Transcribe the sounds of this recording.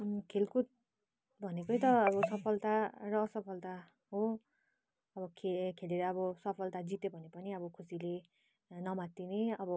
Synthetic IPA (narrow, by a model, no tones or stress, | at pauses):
kʰelkut̪̚ | bʱʌnekojt̪ʌːbʌsʌpʰʌlt̪arʌːsʌpʰʌlt̪a | ɦo | ʌbʌkʰekʰeleɾʌːbʌsʌpʰʌlt̪ad͡zit̪ebʱʌnepʌniʌbʌkʰusile | nʌmat̪ːineʌbʌ